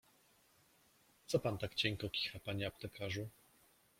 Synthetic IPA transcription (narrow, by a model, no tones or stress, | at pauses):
t̪sɔpant̪akt͡ɕɛŋkɔkʲi̥xapaɲɛap̚t̪ɛkʰaʐu